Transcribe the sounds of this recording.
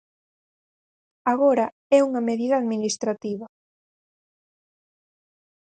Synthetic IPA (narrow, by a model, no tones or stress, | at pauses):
aɣoɾɐ | ɛuŋɐmeðiðɐːðminist̪ɾat̪iβɐ